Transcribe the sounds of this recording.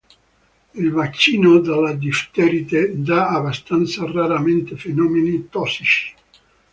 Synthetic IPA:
ilvat͡ʃːiːnod̪alad̪ift̪ɛɾit̪ed̪aːbast̪ant̪saraɾament̪efenɔːmenit̪ɔsːit͡ʃi̥

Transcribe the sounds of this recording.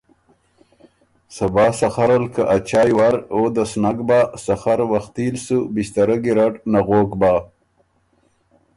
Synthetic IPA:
sabɑːsaxaɾalkaʔat͡ʃaːjwaɾod̪asnaɡbasaxaɾwaxt̪ilsubist̪aɾaɡiɾaʈnaɣokbaː

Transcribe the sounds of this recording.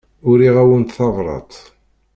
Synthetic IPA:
ʊɾiʁæwənt̪θɑvɾˤɑ̰t̪ˤ

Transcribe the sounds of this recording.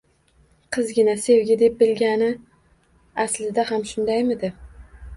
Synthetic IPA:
qʰɨzɡʲɪnase̞wɡʲɪd̪e̞p̚bɪlɡʲanɪ | aslɪd̪ahamʃʊnd̪ajmɪd̪ɪ

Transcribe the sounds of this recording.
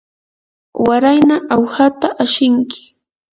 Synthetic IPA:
waɾajnaʔawhat̪aʔaʃɪŋkɪ̥

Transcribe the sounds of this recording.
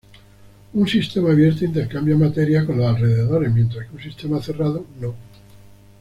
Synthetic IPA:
unsist̪e̞maːβje̞ɾt̪eint̪e̞ɾkambjamat̪e̞ɾjako̞nlaːlreðeðo̞ɾemjent̪ɾaskeunsist̪e̞maθe̞rað̞ono

